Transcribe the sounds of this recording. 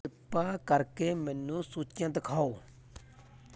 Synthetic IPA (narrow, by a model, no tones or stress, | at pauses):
ɪpːaːkəɾkeːmɛːnːũːsuːt͡ʃjãːt̪əkʰaːoː